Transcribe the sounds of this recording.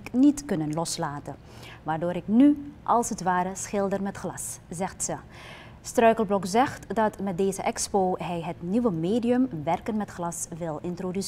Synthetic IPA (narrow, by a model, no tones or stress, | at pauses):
knitkɵnənlɔslaːtə | ʋaːrdoːɾɪknyʔɑlˠsətʋaːɾəsχɪlˠdərmɛtχlɑszɛxtsə | strœɥkəlˠblɔkzɛxtdɑtmɛt̚deːzəʔɛkspoːɦɛjɦətniʋəmeːdiəmʋɛrkənmɛtχlɑsʋɪlˠɪntrodys